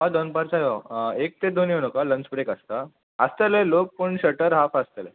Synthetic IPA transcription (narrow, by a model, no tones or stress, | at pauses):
ɦad̪onpaɾt͡sajoek̚t̪ed̪oninokalənt͡ɕbɾekəst̪a | əst̪əlelok̚pəɳɕəʈəɾɦafəst̪əle